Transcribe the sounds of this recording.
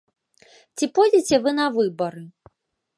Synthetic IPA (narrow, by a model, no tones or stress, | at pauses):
t͡sʲipɔjd͡zʲit͡sʲɛvɨnɐvɨbɐɾɨ